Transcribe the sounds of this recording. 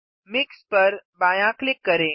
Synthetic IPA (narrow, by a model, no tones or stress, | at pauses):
mɪkspəɾbajãklɪkːəɾẽ